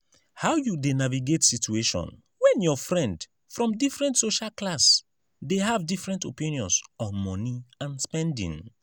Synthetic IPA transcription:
haʊjudenaviɡetsitueʃɔ̰̃n | wɛ̃njɔfɹɛ̃nd | fɹɔ̃mdifɹɛ̃ntsoʃalklas | deɦavdifɹɛ̃ntopĩnjɔ̃nsɔmɔniãnspɛ̃ndḭ̃ŋ

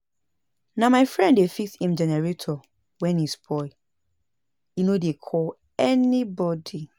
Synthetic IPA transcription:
namaɪfɹɛ̃nddefikshĩmd͡ʒɛnɛɹetʰɔ | wɛ̃nisbɔɪ | inodekʰɔl | ɛnibɔdi

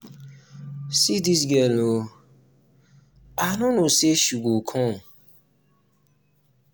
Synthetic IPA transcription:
sidis̬ɡelo | anʊnoseʃuɡokʰɔ̃m

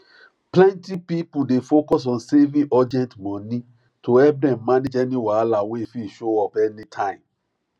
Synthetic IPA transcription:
plɛ̃ntipipudefokɔs̬ɔ̃nsevĩʔɔdɛ̃ntmɔ̃ni | tʰoɛp̚dɛ̃mːaned͡ʒɛniwalawefiʃoɔpɛnitʰãɪ̃m

